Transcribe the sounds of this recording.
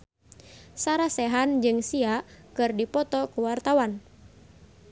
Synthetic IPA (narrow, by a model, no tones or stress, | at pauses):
saɾasɛɦand͡ʒɨŋsiakɨrdipɔt̪ɔkuwart̪awan